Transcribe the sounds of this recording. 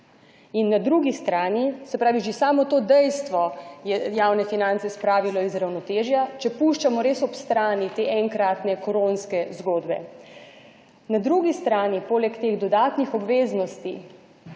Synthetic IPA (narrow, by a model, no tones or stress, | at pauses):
inːad̪ɾuːɡist̪ɾaːnisɛpɾaːʋiʒesaːmɔt̪oːd̪ɛjst̪ʋɔjɛjaːwnɛfinãnt̪sɛspɾaːʋilɔizɾawnɔt̪eːʒjat͡ʃɛpuːʃt͡ʃamɔɾeːsɔpst̪ɾaːnit̪eːʔɛŋkɾat̪nɛkɔɾonskɛzɡoːd̪bɛ̰ | nad̪ɾuːɡist̪ɾaːnipoːlɛkt̪eːɣd̪ɔd̪aːt̪nixɔbʋeːznɔst̪i